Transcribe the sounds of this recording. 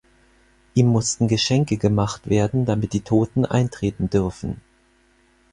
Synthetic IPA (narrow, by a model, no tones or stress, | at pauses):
ʔiːmːʊstn̩ɡəʃɛŋkəɡəmaχtv̥eːɐdn̩damɪt̚d̥iːtʰoːtn̩ʔa̰ɪntʁ̥eːtn̩dʏɐfn̩